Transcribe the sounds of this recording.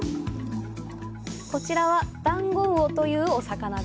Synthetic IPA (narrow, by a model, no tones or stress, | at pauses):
ko̞t͡ɕiɾaβad̪̥ãŋɡõɰot̪o̞jɯ̟ːo̞sakana